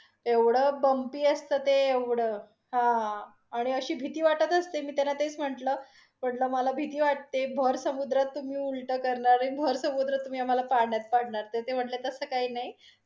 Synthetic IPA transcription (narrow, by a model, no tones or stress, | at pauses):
eʋɽəːbəmpiːəst̪əːt̪eeʋɽəː | ɦã | aɽ̃iəɕiːbʱit̪iːʋaʈət̪əst̪emiːt̪enat̪et͡sm̤əʈləː | m̤əʈləməlabʱit̪iːʋaʈ̚t̪ebʱəɾsəmud̪ɾat̪ːum̤iːulʈəkəɾɳaɾibʱəɾsəmud̪ɾət̪ːum̤iːam̤alapaɽɳjat̪̚paɽ̤ɳaɾt̪et̪em̤əʈlet̪əsəːkaɦiːnaɦj